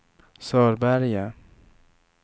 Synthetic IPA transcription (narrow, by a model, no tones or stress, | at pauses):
sɔɾbaɾja